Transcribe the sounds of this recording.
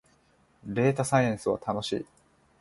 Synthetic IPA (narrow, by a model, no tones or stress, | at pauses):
ɾe̞ːt̪asajẽɰ̃sɨβa̰t̪ʰano̞ɕḭː